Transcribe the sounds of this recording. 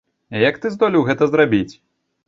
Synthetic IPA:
jɐkt̪ɨzd̪ɔlʲiwɣɛt̪ɐzɾabʲit͡sʲ

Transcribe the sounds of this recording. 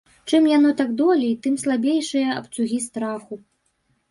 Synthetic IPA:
t͡ʂɨmjanɔt̪aɡd̪ɔlʲit̪ɨmslˠabʲejʂɨjɐɐ̰pt̪suɣʲist̪ɾaxu

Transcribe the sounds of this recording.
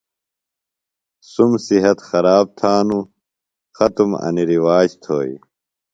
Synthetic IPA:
sumsiɦɐt̪xɐɾaːb̚t̪ʰaːnu | xɐt̪umɐ̰niɾiwaːd͡ʑt̪ʰo̰ːjḭ

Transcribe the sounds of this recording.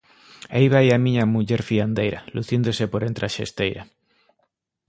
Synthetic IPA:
ajβajamĩɲamuʎeɾfiand̪ejɾa̰luθjend̪osepoɾent̪ɾaʃest̪ejɾa

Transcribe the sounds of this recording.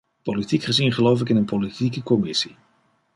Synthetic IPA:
politikχəzinχəlowfɪkɪnənpolitikəkɔmɪsi̥

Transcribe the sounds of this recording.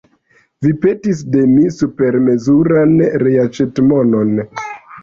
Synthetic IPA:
vipe̞tis̬de̞misupe̞ɾme̞zuɾanɾeat͡ʃetmono̞n

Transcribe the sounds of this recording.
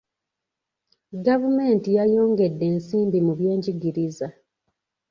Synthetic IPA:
ɡavume̞ːntijajo̞ːŋɡe̞dːe̞ːnsiːmbimuβje̞ːɲɟiɡiɾiza

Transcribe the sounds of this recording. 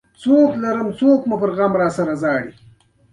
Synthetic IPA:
t͡soklaɾəmt͡soːkmupəɾɣaːmɾɑːsaɾazɑːɽi

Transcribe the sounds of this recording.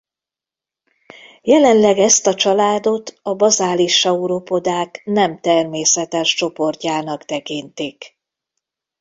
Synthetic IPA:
jɛlɛnlɛɡɛst̪ɒt͡ʃɒlaːd̪o̞t̪ɒbɒzaːliʃɒuɾo̞po̞d̪aːknɛmt̪ɛrmeːsɛt̪ɛʃt͡ʃo̞po̞rcaːnɒkt̪ɛkint̪ik

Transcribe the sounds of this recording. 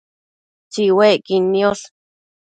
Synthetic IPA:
t͡ʃiweʔkinːiol

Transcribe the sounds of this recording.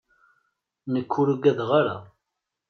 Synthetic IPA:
nəkʰːuɾuɡæðʁaɾa̰

